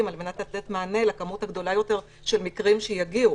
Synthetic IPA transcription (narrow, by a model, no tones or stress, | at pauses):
malme̞nat̪late̞tmaːne̞lakamuthaɡd̪o̞lajo̞te̞ʁ | ʃelmikʁimʃejaɡiu